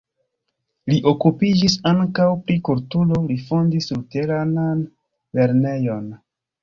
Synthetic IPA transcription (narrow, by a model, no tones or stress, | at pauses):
liʔo̞kupid͡ʒisaŋkawpɾikultulo̞lifo̞ndisute̞ɾanan | le̞ɾne̞jo̞n